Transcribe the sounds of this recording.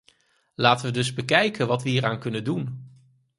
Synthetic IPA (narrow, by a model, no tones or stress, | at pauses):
laːtənʋədɵzbəkɛjkənʋɑtʋəɦiːɾaːnkɵnəndun